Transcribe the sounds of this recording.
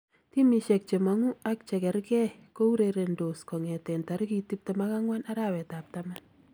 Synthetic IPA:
timiʃɛk̚t͡ʃemaŋuak̚t͡ʃɛkɛɾkɛkouɾeɾendoskɔŋɛtɛntaɾkitip̚tɛmakaŋwanaɾawɛtap̚taman

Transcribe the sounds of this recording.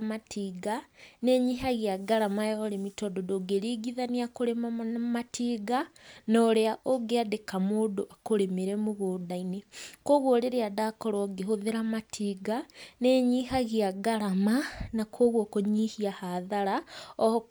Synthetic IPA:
matiːɡaneɲiːɦaɣiaɡaɾamajooɾemitoːdodoɡeɾiɡiðaniakoɾemamatʰiːɡanoɾeaʔoɡeadekamoːdoʔakoɾemeɾemuɣuːdainekoɣwoɾeɾeadakoɾoɡeɦoðeɾamatʰiːɡaneɲihaɣiaɡaɾamanakoɣwokoɲihiahaðaɾao

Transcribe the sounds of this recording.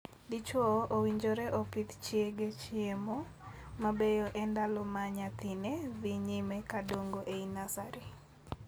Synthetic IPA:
dit͡ʃoowiɲd͡ʒoɾɛʔɔpit̪t͡ʃjeɡet͡ʃiemo | mabejoʔɛndalɔmaɲat̪ɪneðiɲimɛkadoŋɡoʔeinasaɾi

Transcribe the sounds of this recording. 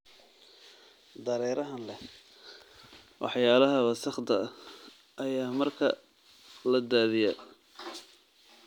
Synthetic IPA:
d̪ɐɾɛːɾɐɦɐnlɛ | wɑ̰ħjaːlɐɦɐβɐsɐχd̪ɐ | ʔɐjaːmɐrkʰɐ | lɐd̪aːðɪjɐ

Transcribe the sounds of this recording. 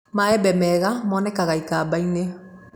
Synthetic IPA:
maɛbɛmɛɣamɔnɛkaɣaikaːbaine

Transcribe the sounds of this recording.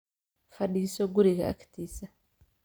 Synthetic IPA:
faɗiːsoɡuɾiɣa̰a̰ki̥tisa

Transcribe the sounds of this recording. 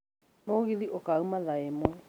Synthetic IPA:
noɣiðiʔokaumaðaemwɛ

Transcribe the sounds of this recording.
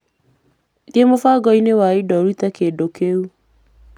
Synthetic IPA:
diemofaɡɔinewaidɔɾitakedokeu

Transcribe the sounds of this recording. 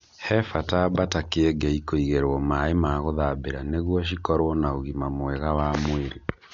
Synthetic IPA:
hɛfatabatakeɛɡɛikoiɣeɾwɔmaemaɣoðabeɾaneɣwɔʃ̬ikɔɾwɔnaoɣimamwɛɣawaːmoeɾe

